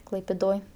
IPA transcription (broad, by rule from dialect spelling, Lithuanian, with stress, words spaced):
klˠɐɪpʲeːˈdoːj